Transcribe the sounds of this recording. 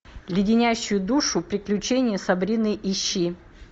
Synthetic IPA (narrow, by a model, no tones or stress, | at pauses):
lʲɪdʲɪnʲæɕːʊjʊd̪uʂʊpɾʲɪklʲʉt͡ɕenʲɪjəsɐbɾʲinɨʔiɕːi